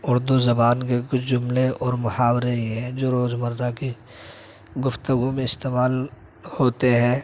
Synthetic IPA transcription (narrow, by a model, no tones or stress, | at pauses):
ʊɾd̪uzɐbaːnkekʊt͡ʃʰd͡ʒʊmleɔːɾmʊhaːwɾeiɦɛ̃ːd͡ʒoːɾoːzməɾd̪aki | ɡʊft̪əɡumẽɪst̪eːmaːl | hoːt̪eɦɛ̃ː